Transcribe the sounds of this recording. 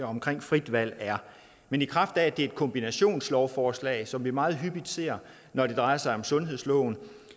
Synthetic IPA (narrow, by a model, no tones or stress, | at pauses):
ɒ̽mkʰʁeŋ̰fʁid̥ʋæl̰æɐ | menikʰʁɑ̈fd̥æd̥e̝e̝d̥̚kʰɒ̽mb̥inæɕo̝̰ːnslɒʊfɒːslɛ̰ːɪsɒ̽mʋimɑ̈ːð̞̩ˠɦyb̥id̥se̝ːɐ̰ | nɒd̥e̝d̥ʁɑ̈ɪɐsɑ̈ɪɒ̽msɔ̽nɦe̝ðˠslɔ̰ʊn̩